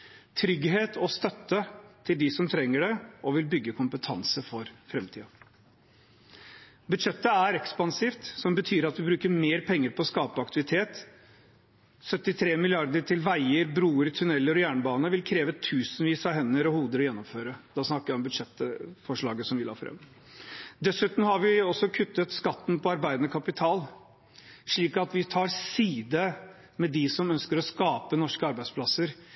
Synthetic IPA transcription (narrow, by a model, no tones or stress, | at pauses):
t̪ʰɾʏɡɦeːt̪ʰɔst̪œt̪ːət̪ʰɪld̪ɪsɔmt̪ʰɾɛŋːəɖɛɔʋɪlbʏɡːəkʰʊmpət̪ʰɑnsəfɔɾfɾɛmt̪ʰḭːɑ | bʉd̪ʂɛt̪ːəæɾɛkspɑnsiːft̪sɔmbət̪ʰyːɾɑt̪ʋɪbɾʉːkəɾmeːɾpʰɛŋːəɾpʰɔskɑːpəɑk̚t̪ʰɪʋɪt̪ʰeːt̪ | sœt̪ːɪt̪ʰɾeːmɪlɪɑɾd̪əʈʰɪlʋæɪəɾbɾuːəɾt̪ʰʉnɛlːəɾɔjæːɳəbɑːnəʋɪlkʰɾeːʋət̪ʰʉːsnʋiːsɑɦɛnːəɾɔhuːd̪əɾɔjɛnːɔmføːɾəd̪̥ɑsnɑkːəɾjæɪɔmbʉd̪ʂɛt̪fɔʂɭɑːɡəsɔmʋɪlɑ̰ːfɾɛ̰m | d̪ɛsʉːt̪m̩hɑɾʋɪɔsːɔkʰʉt̪ːət̪skɑt̪ːn̩pʰɔɑɾbæɪd̪ənəkʰɑpɪt̪ʰɑːl | ʂɭiːkɑt̪ʋɪt̪ʰɑːɾsiːd̪ə | mɛd̪ɪsɔmœnskəɾɔskɑːpənɔʂkəɑɾbæɪd̪spʰlɑsəɾ